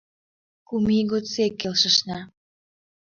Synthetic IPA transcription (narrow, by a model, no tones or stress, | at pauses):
kumiɣot͡sekːelʃə̆ʃnɑ